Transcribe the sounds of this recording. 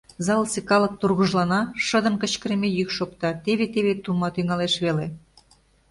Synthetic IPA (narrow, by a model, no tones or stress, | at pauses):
zɑlsekɑlɤ̆k̚t̪urɣəʒlɑnɑʃəd̪ə̆mkə̆t͡ɕkə̆ɾemejykʃokt̪ɑt̪eβet̪eβet̪umɑt̪yŋɑleʃβele